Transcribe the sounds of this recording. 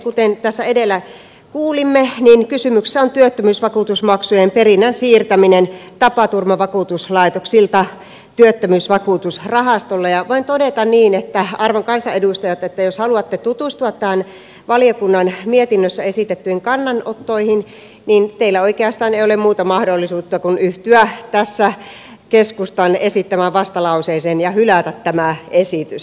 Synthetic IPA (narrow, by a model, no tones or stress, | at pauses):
kut̪ent̪æsːæedelːˑæ | kuːlimːeninkysymykse̥sːæont̪yøt̪ːømyːsʋɑkuːˑt̪usmɑksujemperinːænsiːrt̪æminent̪ɑpɑt̪urmɑʋɑkuːˑt̪uslɑit̪oksilt̪ɑ | t̪yøt̪ːømyːsʋɑkuːˑt̪usrɑhɑst̪olːɑjɑʋoint̪odet̪ɑnniːnet̪ːæɑrʋoŋkɑnsɑedust̪ɑjɑt̪et̪ːæjoshɑluɑt̪ːet̪ut̪ust̪uɑt̪ːæhːn | ʋɑliokunːɑnmiet̪inːøsːæesit̪et̪ːyhiŋkɑnːɑnot̪ːoihin | niːnt̪eilːæoikeɑst̪ɑːneiolemuːt̪ɑmɑhdolːisuːt̪ːɑkunyht̪yæt̪æsːæ | keskust̪ɑnesit̪ːæmæʋʋɑst̪ɑlɑuseisenjɑhylæt̪æt̪tæmæesit̪ys